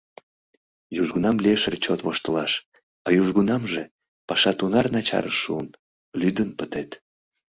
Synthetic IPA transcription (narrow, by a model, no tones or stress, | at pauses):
juʒɡunɑmlieʃərt͡ɕot̪voʃt̪əlɑʃ | ɑjuʒɣunɑmʒe | pɑʃɑt̪unɑrnɑt͡ɕɑ̰ɾəʃːṵən | lyd̪ənpət̪et̪